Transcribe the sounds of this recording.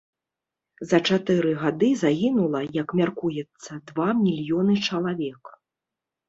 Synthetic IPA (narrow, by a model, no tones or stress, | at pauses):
zɐt͡ʂat̪ɨɾɨɣad̪ɨzaɣʲinulˠɐjɐkmʲarkujɛt̪sːɐd̪vamʲilʲjɔnɨt͡ʂɐlˠavʲɛk